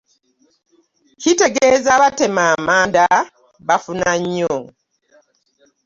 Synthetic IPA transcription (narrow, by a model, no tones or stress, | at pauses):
cite̞ɡeːzaβate̞maːmaːnda | βafunaɲːo